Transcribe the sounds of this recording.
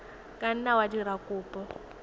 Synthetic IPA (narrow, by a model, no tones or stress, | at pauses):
kʼan̩nawadiɾakʼʊːpʼɔ